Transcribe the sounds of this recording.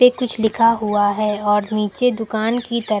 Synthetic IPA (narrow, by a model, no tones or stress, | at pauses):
ekʊt͡ʃʰlɪkʰaɦuaɦɛːɔːɾniːt͡ʃed̪ʊkaːnkit̪ɐɾ